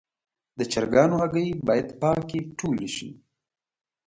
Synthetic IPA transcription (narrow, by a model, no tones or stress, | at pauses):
d̪ət͡ʃaɾɡɑnoɦaɡəjbɑjad̪pɑkiʈʰoliʃḭ